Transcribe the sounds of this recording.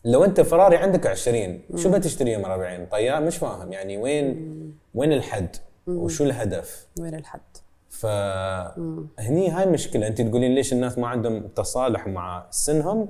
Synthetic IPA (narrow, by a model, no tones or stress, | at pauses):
lawʔɪnt̪afɑɾˤɑːɾˤiʕɪnd̪akʕɪʃɾiːnʃuːbat̪ɪʃt̪aɾiːhʊmɾˤɑbɪʕiːnt̪ˤɑjːɑːɾmɪʃwaːhɪmjaʕniweːnweːnɪlħad̪ː | wʃuːlɦad̪afad̪ | fa | hniːɦaːjlmʊʃkɪlaʔɪnt̪it̪ɡuːliːnleːʃɪnːaːsmaʕɪnd̪hʊmʊt̪ɑsˤɑːlɪħmaʕasːɪnɦʊm